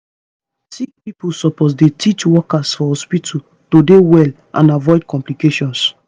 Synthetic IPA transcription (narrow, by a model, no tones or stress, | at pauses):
sikpipusɔpos̬detit͡ʃwɔkasfɔhɔspitʰu | todewɛl | ʔã̰navɔɪd̚kɔ̃mplikeʃɔ̃ns